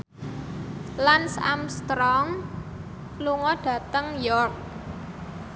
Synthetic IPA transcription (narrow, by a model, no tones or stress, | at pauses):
lansa̰mst̪ɾɔŋ | luŋɔɖ̥ä̤t̪əŋjɔrk̚